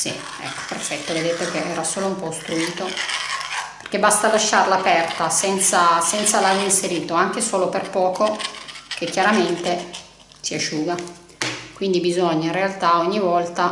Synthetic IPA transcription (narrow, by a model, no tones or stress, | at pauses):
sḭ | ɛ̰kːo̥perfɛt̪ːoved̪et̪ekeʔɛːɾasoːloumpɔst̪ɾuiːt̪o | pe̥rk̟ebast̪alaʃːarlaːpɛrt̪asɛnt̪sasɛnt̪salaɡoinseɾiːt̪oaŋk̟esoːloperpɔːkokekːjaɾament̪e | siaʃːuːɡa | kwind̪ibizoɲːaĩnrealt̪aoɲːivɔlt̪a